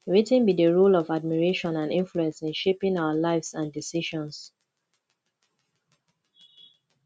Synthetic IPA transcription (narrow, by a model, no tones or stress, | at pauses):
wetɛ̃nbidəɹolɔvad̚miɹeʃɔ̃nãndɪ̃ɱfluɛ̃nsɪ̃nʃepɪ̃ŋaʊəlaɪvsãndisiʃɔ̃ns